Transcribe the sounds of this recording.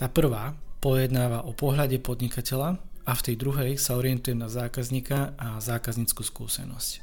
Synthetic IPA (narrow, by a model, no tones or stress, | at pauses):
t̪aːpr̩ʋaːpɔjɛd̪naːʋaʔɔpɔɦlaɟɛpɔd̪ɲikacɛʎaaft̪ɛjd̪ɾuɦɛjsaɔɾɪɛnt̪ujɛmnazaːkazɲikaʔazaːkazɲiːt͡skuːskṵːsɛ̰nɔ̰sc